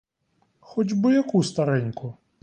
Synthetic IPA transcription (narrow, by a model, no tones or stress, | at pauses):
xɔd͡ʑʲbɔjakust̪aɾɪnʲkʊ